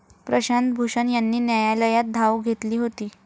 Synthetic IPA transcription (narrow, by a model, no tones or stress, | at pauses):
pɾəɕant̪bʱuʂənjanːiːnjajaləjat̪̚d̪ʱawɡʱet̪liːɦot̪iː